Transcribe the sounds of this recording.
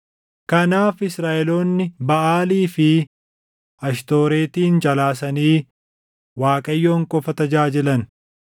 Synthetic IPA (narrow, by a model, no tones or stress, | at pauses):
kɐnaːfɪsɾaːʔɛloːnːɪbɐʔaːliːfɪ | ɐʃt̪o̞ːɾe̞ːt̪iːnd͡ʒʼɐlaːs̬ɐniː | waːkʼɐjːoːŋkʼɔfɐt̪ɐd͡ʒaːd͡ʒɛlɐn